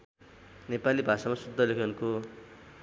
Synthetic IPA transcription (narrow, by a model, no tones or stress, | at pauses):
nepalibʱasamasud̪ʱːʌlekʰʌnko